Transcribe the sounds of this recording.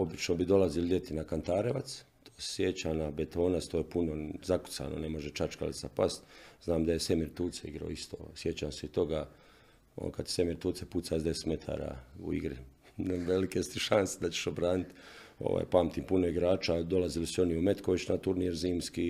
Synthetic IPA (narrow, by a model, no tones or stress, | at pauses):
o̞bit͡ʃnobid̪o̞lazild̪ʲje̞t̪inakant̪aːɾeʋat̪s | t̪ʰo̥ːsjet͡ɕanabet̪o̞ːnast̪oːjepunozaku̥sa̰ːno̰ne̞mo̞ʒet͡ʃat͡ʃka̰lit̪sapast̪znaːmd̪aje̞se̞miːɾt̪uːt̪seiɡɾa̰oist̪oːsje̞t͡ɕaːmseit̪o̞ɡaː | o̰n̰kad̪se̥se̞miɾt̪uːt̪seput̪sazd̪ese̥t̪me̞t̪ʰa̰ːɾa̰ːṵḭɡɾḭ | nʋelikest̪iʃansed̪at͡ɕe̥ʃobɾaːnit̪ | o̰ʋa̰ːjpaːmt̪iːmpunoiɡɾaːt͡ʃad̪o̞laziliso̞niume̞t̪koʋit͡ɕnat̪uɾniɾziːmski